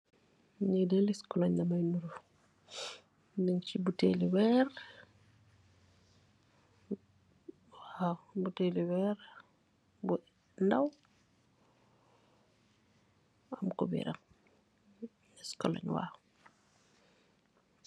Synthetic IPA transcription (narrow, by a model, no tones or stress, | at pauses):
ɲidɛliskɔlɔɲdɐmajnuɾuf | nɛŋt͡ʃibuteliwɛɾ | waːwbuteliwɛːɾ | bu | ndaw | ɐmkɔ̰bḭɾɐ̰m | iskɔlɔ̰ɲwa̰ːw